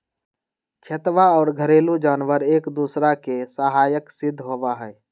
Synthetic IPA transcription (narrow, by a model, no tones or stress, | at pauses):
kʰət̪ʋaɔːɾɡʱəɾeːlud͡ʒaːnʋəɾeːkd̪uːsɾakesəɦaːjəksɪd̪ʱːɦoːʋaɦɛ